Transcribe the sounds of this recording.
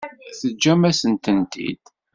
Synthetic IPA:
θəd͡ʒːæmæsənt̪ənt̪ḭd̪̥

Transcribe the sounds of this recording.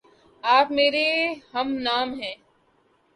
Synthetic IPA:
aːpmeːɾeɦɐmnaːmɦɛ̃ː

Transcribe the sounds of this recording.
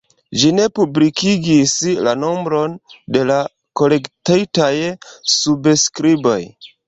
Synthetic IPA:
ʒine̞publikiɡislano̞mbɾo̞nde̞la | ko̞le̞ktajtajsubskɾibo̞̰j

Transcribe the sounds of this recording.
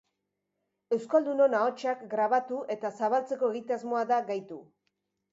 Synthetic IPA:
e̞wskald̪uno̞nao̞t͡ʃakɡɾaβ̞at̪uʔe̞t̪asaβ̞alt͡se̞ko̞e̞ɣit̪azmo̞aðaɡajt̪u

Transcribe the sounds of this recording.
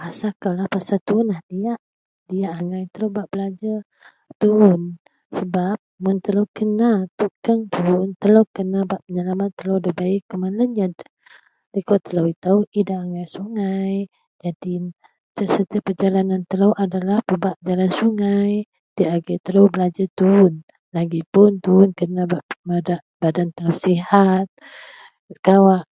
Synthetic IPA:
pasakalahpasat̪uʊnlahdiaʔ | diaʔaŋajt̪əlobaʔb̥əlad͡ʒa | t̪uʊn | səbap̚mʊnt̪əlowkənat̪ukaŋt̪uʊnt̪əlowkənabaʔpəɲəlamat̪ːəlowdəbaɪkːəmaləɲd͡ʒad | ləkot̪əlawit̪auidaːŋajsuŋaj | d͡ʒadi | səsət̪iapəd͡ʒalanant̪əlowʔadalahpəbaʔd͡ʒalansuŋaj | d̥iaɡajt̪əlowbəlad͡ʒat̪un | laɡipʊnt̪unkənabaʔmadaʔb̥adant̪əlawsihat̪̚ | kawaʔ

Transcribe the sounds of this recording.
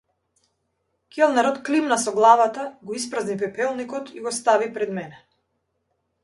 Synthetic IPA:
kʲɛlˠnɛɾɔt̪klimnasɔɡlˠavat̪aɡɔispɾaznip̬ɛpɛlˠnikɔt̪ʰiɡɔst̪avipɾɛd̪mɛnɛ

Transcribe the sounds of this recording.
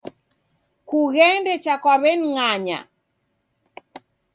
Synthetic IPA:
kuɣɛndɛt͡ʃakwaβɛnŋaɲa̰

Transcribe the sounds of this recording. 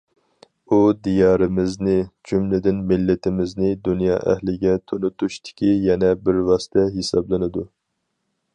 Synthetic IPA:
ud̪ijɑːɾɪmɪznɪd͡ʒʰymlɪd̪ɪnmɪlːɪt̪ʰɪmɪznɪd̪unjɑ̰ːʔɛ̰hlɪɡʲɛt̪ʰonut̪uʃt̪ʰɪ̥kʲijɛnɛbɪɾwɑsɨ̥t̪ʰɛɦesɑblˠɨnɨd̪u

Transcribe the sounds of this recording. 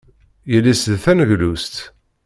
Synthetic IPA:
jəlːisðθænʝlust̪

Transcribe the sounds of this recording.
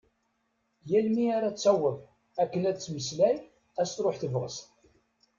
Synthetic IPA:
jælmiaɾæt͡sːæwːəðˤ | ækːənæd̪t͡sːməslæj | æst̪ɾˤoħθəvʁəst̪

